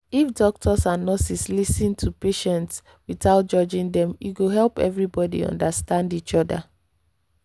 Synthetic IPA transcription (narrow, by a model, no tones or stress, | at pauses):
ifdɔk̚tʰɔsãnːɔsislisĩntʰupeʃɛ̃nts | wiθaʊt̚d͡ʒɔd͡ʒĩŋdɛ̃mjuɡoɦɛlˠpɛ̰vɹibɔdḭɔ̰̃ndastãndit͡ʃɔda̰